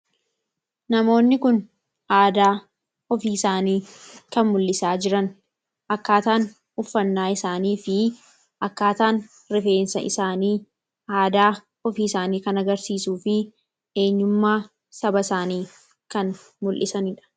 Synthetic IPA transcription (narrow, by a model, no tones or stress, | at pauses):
nɐmo̞ːnːɪkʊn | ʔaːd̪aː | ɔfiːɪsaːniːkɐnmʊlːɪsaːd͡ʒɪɾɐn | ʔɐkːaːt̪aːn | ʊfːɐnːaːɪsaːniːfɪ | ʔɐkːaːt̪aːn | ɾɪfe̞ːnsɐʔɪsaːniː | aːd̪aː | ɔfiːsaːniːkɐnɐɡɐɾsiːsuːfɪ | e̞ːɲːʊmːaː | sɐbɐsaːniː | kɐn | mʊlʔɪsɐnɪᶑɐ̥